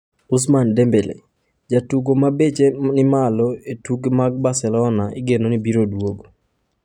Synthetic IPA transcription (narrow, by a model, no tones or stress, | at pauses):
ʊs̬mandembelḛ | d͡ʒatuɡomabet͡ʃenɪmalɔetuɡmaɡ̚basɛlɔnaɪɡenonibiɾodwoɡo